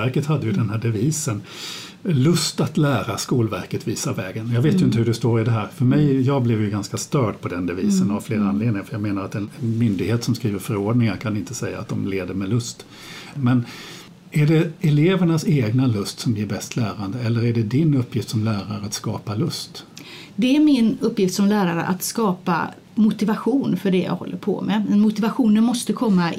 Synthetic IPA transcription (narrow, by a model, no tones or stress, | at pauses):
væɾkət̪had̪ːəjɵd̪ɛnɦæːɖɛviːsən | lɵst̪at̪læːɾaskuːlvæɾkət̪viːsavɛːɡənjɑːɡveːt̪jɵɪnt̪əhɵɖɛst̪oːɾɪd̪ɛɦæːɾfœɾmɛjjɑːɡblɛvjɵɡanskast̪œːɖpʰɔd̪ɛnd̪ɛviːsənavfleːɾaanleːd̪nɪŋafəjɑːɡmeːnaɾat̪ɛnmʏnd̪ɪɡheːt̪sɔmskɾiːvəɾfœɾoːɖnɪŋaɾkʰanɪnt̪əsɛjːa̰ːt̪̚d̪ɔmleːd̪əɾmɛlɵst̪ | mɛn | æɖɛɛleːvəɳaseːɡnalɵst̪sɔmjɪːɾbɛst̪ʰlæːɾand̪əɛlːəɾæɖɛd̪ɪnɵpʰːjɪft̪sɔmlæːɾaɾəat̪skɑːpalɵst̪ | d̪ɛæɾmɪnɵpːjɪft̪sɔmlæːɾaɾə̰ʔa̰t̪skɑːpa̰ | mʊt̪ɪvaɧuːnfœɖɛja̰ːɡhɔ̰lːə̰ɾpʰɔ̰mɛ̰ɛnmʊt̪ɪvaɧuːnənmɔst̪əkʰɔmːa